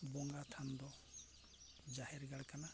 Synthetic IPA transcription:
bɔŋɡat̪ʰand̪ɔ | d͡ʒahɛɾɡaɽkana

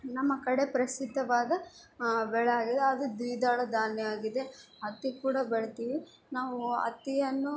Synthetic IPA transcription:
nɐmːɐkɐɽe̞pɾɐsid̪ʱːɐʋaːd̪ɐ | bɛɭɛjaːɡid̪eɐd̪ud̪iːd̪aːɭɐd̪aːnjɐjaːɡid̪e̞ | ɐt̪ːikuːɽɐbɛɭet̪iːʋi | naːʋuɐ̰t̪ːijɐnːu

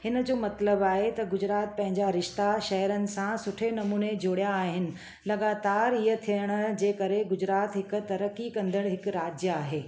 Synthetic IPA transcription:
hɪnəd͡ʑoːmɐt̪ləbaːɦet̪ɐɡʊd͡ʑɾaːt̪̚pɐ̃ɦɪ̃ɲd͡ʑaɾɪʃt̪aʃɐɦəɾənɪ̆sãsʊʈʰenɐmuːned͡ʑoːɽijaːɦɪnɪ̆ | lɐɡaːt̪aːɾijət̪ʰijəɽ̃ə̆d͡ʑeːkɐɾeɡʊd͡ʑɾaːt̪ɦɪk̆t̪ɐɾəkːikɐ̃nd̪əɽ̃ɦɪkɾaːd͡ʑjəaːɦeː

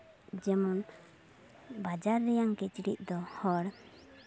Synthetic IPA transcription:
d͡ʒɛmɔn | bad͡ʒaɾːɛjaŋkɛt͡ʃiɽḭʔ̚d̪ɔhɔɽ

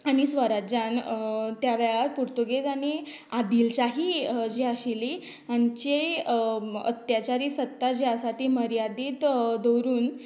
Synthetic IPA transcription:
aɽ̃isʋəɾad͡ʑant̪jaʋɛɭaɾpuɾt̪uɡed͡zaɽ̃i | ad̪ilt͡ɕaɦid͡ʑiaɕili | aɲt͡ɕe | ə̰t̪jat͡ɕaɾiːsət̪ːad͡ʑiasat̪iməɾjad̪iːt̪d̪əwɾuːn

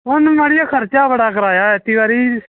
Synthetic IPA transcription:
ɦʊnməɽɪjaːkʰəɾt͡ʃaːbəɽaːkəɾaːjaːɛt̪iːʋaːɾiː

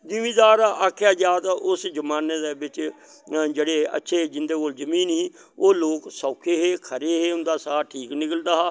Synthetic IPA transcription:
d͡ʒɪmĩːd̪aːɾaʔaːkʰːjaːd͡ʒaːt̪aʔʊsd͡ʒəmaːneːd̪eːbɪt͡ʃ | d͡ʒeːɽeːə̰tːʃʰeːd͡ʒɪnd̪eːkoːlzəmĩːnĩː | oːloːksaːkʰeːɦeːkʰəɾeːɦeːʊnd̪aːsaːʈʰiːknɪkəld̪aːɦaː

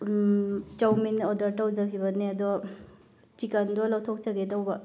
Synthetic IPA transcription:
t͡ʃawminɔdaɾtawd͡ʒakʰibɐniɐdɔ | t͡ʃikandɔlawtʰɔk̚t͡ʃaɡedawbɐ

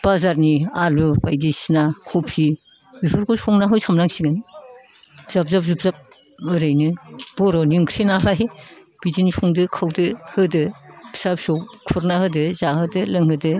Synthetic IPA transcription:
b̥azaɾnialubajdisnakʰɔpsi | bipʰɯɾkʰusɔŋnaɦɯjsamɾaŋsiɡɯn | z̥ap̚zap̚zup̚zap̚ | ɯɾɯjnɯb̥ɔɾɔniŋkʰɾinalaj | b̥idinisʰuŋdɯkʰawdɯhɯdɯb̥isapsɔwkʰuɾnahɯdɯzahɯdɯlɯŋɦɯdɯ

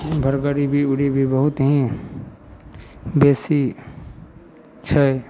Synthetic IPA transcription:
bʱəɾɡəɾibʱiʊɽibʱibəɦut̪ɦĩ | beːsi | t͡ʃʰə

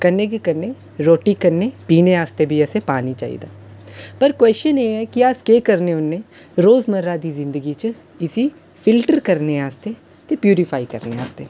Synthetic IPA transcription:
kənːekikəɾne | ɾoːʈikəɾnepiːneaːst̪ebʱiɛsepaːnit͡ʃa̰ːḭd̪aː | pəɾkwɛːsəneːɛkiaskeːkəɾneʊnːe | ɾoːzməɾad̪iːzɪ̃nd̪əɡit͡ʃə | ɪsi | fɪlʈəɾkəɾneaːst̪eː | t̪epjuːɾɪpʰaːikə̰ɾnea̰ːst̪eː

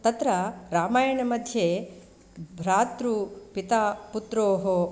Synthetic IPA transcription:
t̪ɐt̪ɾɐɾaːmaːjɐɳɐmɐd̪ʱje | bʱɾaːt̪ɾupit̪aːput̪ɾoːɦo

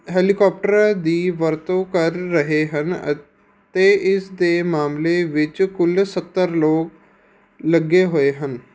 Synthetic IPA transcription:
ɦɛːlɪkɔːp̚ʈəɾad̪iːʋəɾt̪õːkəɾːəɦeːɦən | t̪eːʔɪsd̪eːmaːmleːʋɪt͡ʃkʊlsət̪ːəɾloːk | ləɡeːɦoːeːɦən

